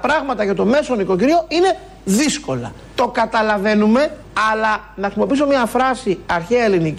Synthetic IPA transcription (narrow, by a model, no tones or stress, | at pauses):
ɐpɾɐɣmɐt̪ɐʝɐt̪o̞me̞soniko̞ciɾio̞ine̞ | ðisko̞lɐ̰ | t̪o̞kɐt̪ɐlɐve̞nume̞ | ɐlɐ | nɐxɾisimo̞pisomɲɐfɾɐsiɐɾçeɐelinic